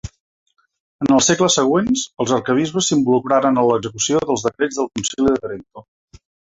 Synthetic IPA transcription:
ənəlˠsekləsəɣ̞wenzəlˠzəɾkəβ̞izβəsːimbulukɾaɾənənləɡzəkusioðəlˠzðəkɾed͡zðəlˠkunsiliðəðəɾik̚t̪o

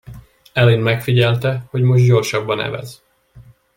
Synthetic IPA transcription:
ɛlinmɛkfiɟɛlt̪ɛho̞ɟmo̞ʒɟo̞rʃɒbːɒnɛ̰vɛ̰z

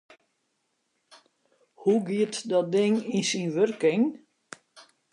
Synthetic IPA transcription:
huɡiətdɔt̚dɪŋinsinʋørkɪŋ

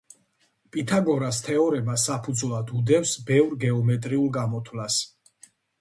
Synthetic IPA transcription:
pʼit̪ʰaɡɔɾast̪ʰɛɔɾɛmasapʰud̪zwlˠad̪ud̪ɛfsbɛvɾɡɛɔmɛt̪ʼɾiulˠɡamɔt̪ʰwlas

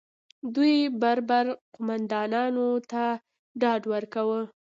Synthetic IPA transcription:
d̪ujbaɾbaɾqʊmand̪ɑnɑnot̪a | ɖɑɖwəɾkawə

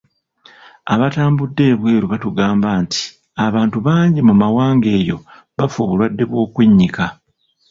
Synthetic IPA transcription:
aβataːmbudːe̞ːβweːɾuβatuɡaːmbaːnti̥ | aβaːntuβaːɲɟimumawaːŋɡe̞ːjo̞̰ | βafoβulwadːe̞βwo̞ːkweɲːika

